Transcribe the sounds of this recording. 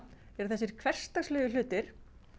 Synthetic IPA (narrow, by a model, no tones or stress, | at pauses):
ɛɾθɛsːɪɾ̥kʰvɛr̥st̪aslœːɣʏlʏːt̪ɪɾ̥